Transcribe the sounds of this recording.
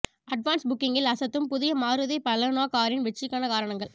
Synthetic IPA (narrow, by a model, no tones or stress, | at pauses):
ɐɖʋaːnsbʊkːɪŋɡɪlɐsɐt̪ːɯmpʊðɪjɐmaːɾɯðɐɪpɐlɐnaːkaːɾɪnʋɛt͡ʃːɪkːaːnɐkaːɾɐɳɐŋɡɐɭ